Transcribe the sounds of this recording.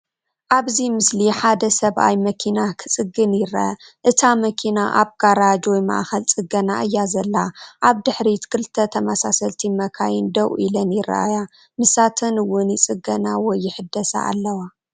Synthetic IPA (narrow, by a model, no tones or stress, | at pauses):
ʔaβzimɨsliħad̪ɐsɐβʔa̰jmɐkʰinakʰɨt͡sʼɨɡɨnjɪɾɐ̰ʔɐ̰ʔɨt̪ʰamɐkʰinaʔa̰βɡ̥aɾad͡ʒwɔjma̰ʔxɐlt͡sʼɨɡɐnaʔɨjːazɐlːaʔaβd̪ɨħɾit̪kʰɨlt̪ʰːɐt̪ʰɐmasasɐlt̪ʰimɐkʰajɪnd̪ɐwʔilɐnjɪɾa̰ʔa̰ja | mɨsat̪ʰɐnɨwːʊnjɪt͡sʼɨɡɐnawɔjːɪħɨd̪ːɐsa̰ʔa̰lːɐwa